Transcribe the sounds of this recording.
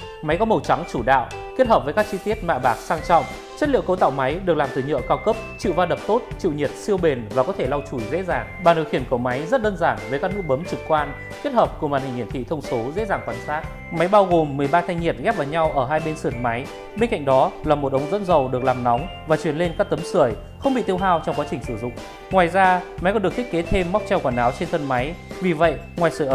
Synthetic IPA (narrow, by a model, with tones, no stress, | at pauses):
ma˨˦jkɔ˨˦mə˨˩wt͡ɕa˨˦ŋt͡ɕu˧˩ɗa̰ː˧˨wki˦˥ət̚həː˨˩p̚vəː˨˦jkaː˦˥k̚t͡ɕi˧t̪i˦˥ət̚ma̰ː˧˨ɓaː˨˩k̚saː˧ŋt͡ɕɔ̰˧˨wŋ͡m | t͡ɕə˦˥t̚lḭ˧˨əwkə˨˦wt̪a̰ː˧˨wma˨˦jɗɨ˨˩əklaː˨˩mt̪ʰɨː˨˩ɲə̰˧˨əkaː˧wkə˦˥p̚t͡ɕḭ˧˨wvaː˧ɗə˨˩p̚t̪o˦˥t̚t͡ɕḭ˧˨wɲi˨˩ət̚si˧əwɓe˨˩nvaː˨˩kɔ˨˦t̪ʰe˧˩la˧wt͡ɕu˧˩jzḛ˧˥zaː˨˩ŋɓaː˨˩nɨ̰˧˨kxi˧˩ənku˧˩əma˨˦jzə˦˥t̚ɗəː˧nzaː˧˩ŋvəː˨˦jkaː˦˥k̚nɨ˦˥ək̚ɓə˨˦mt͡ɕɨ˨˩kkːwaː˧n | ki˦˥ət̚həː˨˩p̚ku˧˩əma̰ː˨˩nhi˨˩ŋhi˧˩ət̪ʰḭ˧˨t̪ʰə˧wŋ͡mso˨˦zḛ˧˥zaː˨˩ŋkwaː˧˩nsaː˦˥k̚ | ma˨˦jɓaː˧wɣo˨˩mːɨ˨˩əjɓaː˧t̪ʰa˧ŋɲi˨˩ət̚ɣɛ˦˥p̚vaː˨˩wɲa˧wʔəː˧˩ɦaː˧jɓe˧nsɨ˧˩ətma˨˦j | ɓe˧nka̰˧˨ŋ̟ɗɔ˨˦laː˨˩mo˨˩t̚ʔə˨˦wŋ͡mzə̰˧˥nzə˨˩wɗɨ˨˩ək̚laː˨˩mnɔ˨˦wŋ͡mvaː˨˩t͡ɕwi˧˩ənle˧nkaː˦˥k̚t̪ə˨˦msɨ˧˩əj | xə˧wŋ͡mɓḭ˧˨t̪i˧ə˧wɦaː˧wt͡ɕɔ˧ŋ͡mkwaː˨˦t͡ɕï˨˩ŋ̟sɨ˧˩zʊ̰˧˨ŋ͡m | ŋwaː˨˩jzaː˧ma˨˦jkɔ˨˦ɗɨ˨˩k̚t̪ï˦˥ke˨˦t̪ʰe˧mːɔ˦˥k͡p̚t͡ɕɛ˧wkwaː˧˩nʔaː˨˦wt͡ɕe˧nt̪ʰə˧nma˨˦jvi˨˩və̰˧˨jŋwaː˨˩jsɨː˧˩jʔə˨˧